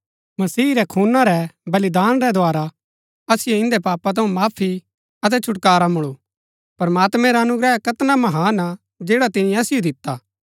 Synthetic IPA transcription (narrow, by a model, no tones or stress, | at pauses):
mɐsiːɾɛkʰuːnaɾɛbɐlɪd̪aːnɾɛd̪ʱoaːɾa | ɐsɪjoɪ̃nd̪ɛpaːpat̪̬ɐũmaːpʰi | ɐt̪̬ɛt͡ʃʰʊʈkaːɾamʊɭo | pɐɾmaːt̪mɛ̃ɾaɐnʊɡɾɛːɦkɐt̪namɐɦaːna | d͡ʒeːɽat̪ɪnĩɐsɪjod̪ɪt̪ːaː